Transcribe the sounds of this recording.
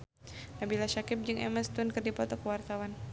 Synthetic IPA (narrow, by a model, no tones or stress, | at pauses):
nabilaʃakɪp̚d͡ʒɨŋʔɛ̰məst̪ʊnkɨrdipɔt̪ɔkəwart̪awan